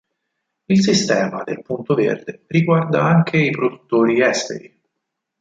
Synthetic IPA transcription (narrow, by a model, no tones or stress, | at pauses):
ilsist̪ɛːmad̪elpunt̪ovḛrd̪eriɡward̪aaŋk̟ʰeipɾod̪ut̪ːoːɾiɛst̪ḛɾi